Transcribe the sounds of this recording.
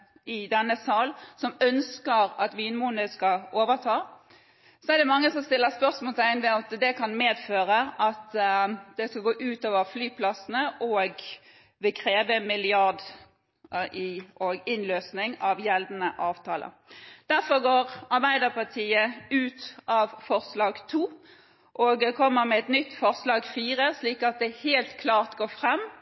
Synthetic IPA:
ɪd̪ɛnːəsɑːlsɔmœnskəɾɑt̪ʋiːnmuːnəskɑʔoːʋət̪ʰɑː | sɔæd̪ɛmɑŋːəsɔmst̪ɪlːəspœɾsmoːlsæɪɪnʋɛɑt̪d̪ɛkʰɑnmeːd̪føːɾəʔɑt̪d̪̥ɛskɑɡoːʔʉːt̪oːʋəflyːpʰlɑsən̩əʔɔɡ | ʋɪkʰɾeːʋəmɪlɪɑʁd̪ | ɪʔɔɡɪnløːsnɪŋɑʋjɛld̪ənəʔɑːʋt̪ʰɑːlə̰ | d̪̥æɾfɔɡoːʁɑɾbæɪd̪əpɑt̪ʰiːəʉːt̪ʔɑʋfɔʁslɑːɡt̪ʰuː | ʔɔɡ̪ɛkʰɔmːəɾmɛɛt̪nʏt̪ːfɔʁslɑːɡfiːʁəsliːkɑt̪̚d̪ɛheːlt̪kʰlɑːʁt̪ɡoːfʁɛmː

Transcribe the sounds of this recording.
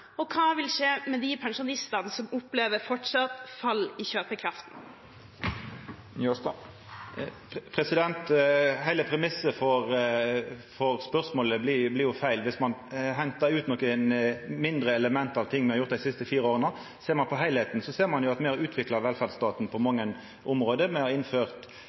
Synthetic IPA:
ɔkʰɑːʋɪlʂeːmɛd̪ɪpʰɛŋʂʊnɪst̪ɑnəsɔmʊpleːʋəɾfɔʈʂɑt̪fɑlːɪçøːpəkʰɾɑft̪n̩ | pʰɾɛsɪd̪ɛnt̪hæɪləpʰɾɛmɪsəfɔɾ | fɔʁspœʁsmoːləblɪblɪɾjʊfæɪlʋɪsmɑnɦɛnt̪əɾʉːt̪nɔkənmɪnd̪ɾəɛləmɛnt̪ɑʋt̪ʰɪŋːʋɪhɑʁjʊʁt̪d̪ɪsɪst̪əfiːɾəoːʁənə | seːʁmɑnpʰɔɦæɪlheːt̪nsɔseːʁmɑnjʊɑt̪meːɑɾʉːt̪ʰʋɪklɑʋɛlfæd̪st̪ɑːt̪n̩pʰɔmɑŋːən | ʔʊmɾoːd̪əmɛhɑɾɪnføːʁt̪

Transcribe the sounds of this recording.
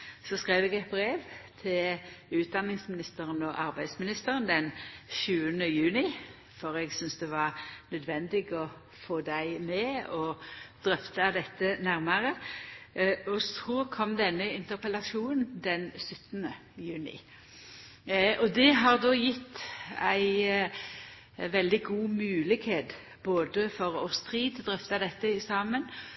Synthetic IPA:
sɔskʁeɪʋɛɡɛt̪̚bɾeːʋt̪ʰɪlʉːt̪̚d̪ɑnɪŋsmɪnɪst̪əɾənɔʔɑɾbæɪd̪smɪnɪst̪əɾənd̪ɛnʃʉːənəjʉːnɪ | fɔɾɛɡsʏnsd̪ɛʋɑʁnœd̪ʋɛnd̪ɪɡɔ | foːd̪æɪmɛɔd̪̥ɾœft̪əd̪ɛt̪ːənæɾməʁə | ɔsʰʁuːɾkʰɔmːd̪ɛnːəɪnt̪əʁpəlɑʃuːnnd̪ɛnsʉt̪ːənəjʉːnɪ̰ | ʔɔd̪ɛɦɑʁd̪oːjɪt̪ːæ̰ɪ | ʋɛld̪ɪɡuːmʉːlɪkheːt̪ | boːd̪əfɔɾɔ̰st̪ʁiːd̪d̪ʁœft̪ɑd̪ɛt̪ːəɪsɑːmən

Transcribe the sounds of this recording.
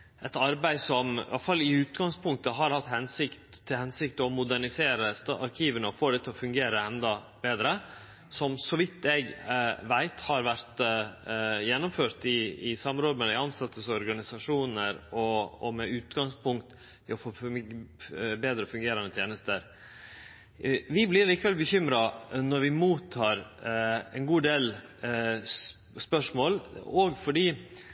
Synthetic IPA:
ɛt̪ɑɾbæɪsɔmʔɑ̰lfɑlːɪʉːt̪ɡɑŋspʰʊŋkt̪əɦɑɾhɑt̪hɛnsɪkt̪ʰːɪlhɛnsɪkt̪ɔmʊd̪æɳɪseːɾəst̪ɑɾkʰiːʋənəɔfoːd̪ɛt̪ʰːɪlɔfʉŋɡeːɾəɛnd̪ɑ | beːd̪ɾə | sɔmsɔʋɪt̪ʰːɛɡʋæɪt̪hɑɾʋæɾt̪ | jɛnːʊmføːɾt̪ɪɪsɑmɾoːd̪mɛɪɑnsɑt̪ːəsɔɾɡɑnɪsɑʂuːnəɾɔɔmɛʉːt̪ɡɑŋspʰʊŋkt̪ | ɪɔfo | beːd̪ɾəɔfʉŋɡeːɾɑnət̪jeːnəst̪əɾ | ʋɪblɪɾliːkəʋɛlbəçʏmɾɑnɔɾʋɪmuːt̪ʰːɑːɾ | ɛnɡuːd̪eːl | spœʂmoːlɔɡfɔɖiː

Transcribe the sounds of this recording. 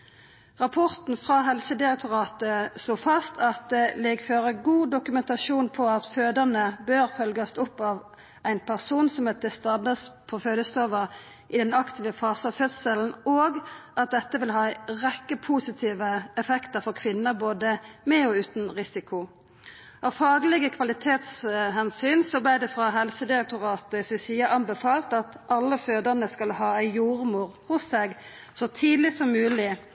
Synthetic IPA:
ʁɑpʰɔʁt̪n̩fʁɑɦɛlsəd̪ɪʁɛk̚t̪ʊʁɑːt̪əsluːfɑst̪ʰɑt̪̚d̪ɛlɛɡføːʁəɡuːd̪ʊkʉmɛnt̪ɑʃuːnpʰɔɑt̪føːd̪əʁnəbøːʁfœlɡɑst̪ɔpːɑːʋ | æɪnpʰæʁsuːnsɔmɛd̪əst̪ɑd̪ɑspʰɔføːləst̪ʰoːʋəʁ | ʔɪd̪ɛnɑkt̪ʰɪːʋəfɑːsɑʋfœd̪səln̩oːɡʔɑt̪̚d̪ɛt̪ːəʋɪlɦɑːʁɛkːəpʰuːsɪt̪ʰiːʋəɛfɛkt̪əʁɾfɔkʰʋɪnːəboːd̪əmɛɔʉːt̪n̩ʁɪsɪkʰʊ | ɑʋfɑːɡlɛɡəkʰʋɑlɪt̪ʰeːt̪shɛnsyːnsɔblɪd̪ɛfʁɑɦɛlsəd̪ɪʁɛk̚t̪ʊʁɑːt̪əsɛsiːəʔɑnbɛfɑːlt̪ɑt̪ʔɑlːəføːd̪əʁnəskɑlhɑːæɪjuːʁmuːʁhʊsːeːɡ | sɔt̪ʰiːd̪lɪsɔmːʉːlɪ

